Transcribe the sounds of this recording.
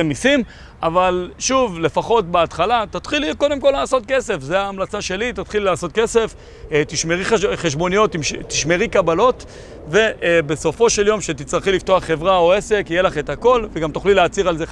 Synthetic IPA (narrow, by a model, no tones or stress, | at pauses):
emnisim | avalʃuvle̞faχo̞t̚beat̪χalat̪at̪χiliko̞d̪emko̞laːsot̪̚ke̞se̞fzeaːmlat͡saʃe̞lit̪at̪χillaːso̞t̚ke̞se̞f | t̪iʃmeʁiχeʃbo̞nijo̞t̪imʃt̪iʃme̞ʁikabalo̞t | ve̞ʔbe̞so̞fo̞ʃe̞ljo̞mʃet̪it͡sʁaχilift̪o̞aχːe̞vʁao̞e̞se̞kijelaχet̪hako̞lveɡamt̪uχlileat͡siʁalze